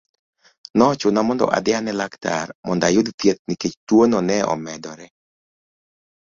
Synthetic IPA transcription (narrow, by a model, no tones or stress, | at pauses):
nɔt͡ʃʊnamɔndɔ̰ʔa̰d̪ɛanɛlakt̪a̰rmɔndajʊd̪t̪jet̪̚niket͡ʃt̪wonɔnɛɔ̰mɛd̪ɔɾɛ